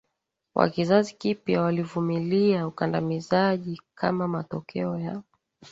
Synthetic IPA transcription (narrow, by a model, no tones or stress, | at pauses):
wʔa̰kizazikipjawalivumiliaukandamizaʄikʰamamatɔkʰɛɔja